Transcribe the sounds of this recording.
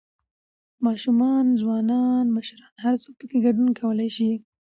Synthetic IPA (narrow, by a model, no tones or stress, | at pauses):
mɑʃumɑnzwɑnɑnməʃɾɑnhaɾt͡sopəkeɡaɖunkʰawəlajʃi